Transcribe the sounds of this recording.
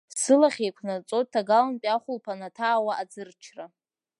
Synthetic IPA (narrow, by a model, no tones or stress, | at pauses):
sɨlaχʲejkʷʰnat͡sʼot̚tʰːaɡalanpʲʼaχʷʊlpʰanatʰaːwaad͡zɨrt͡ʃʰra